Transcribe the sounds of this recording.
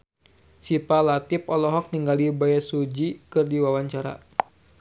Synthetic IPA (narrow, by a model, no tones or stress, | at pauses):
sipalat̪ipɔlɔɦɔk̚niŋɡalibajasud͡ʒikɨrdiwawaɲt͡ʃaɾa̰